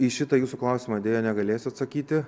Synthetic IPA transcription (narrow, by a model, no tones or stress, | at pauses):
iʃʲɪt̪ɐjuːsuːklˠɐˑʊsʲɪːmɐd̪ʲeːjoːnʲɛɡɐlʲeːsʲɐt̪sɐkʲiːt̪ʲɪ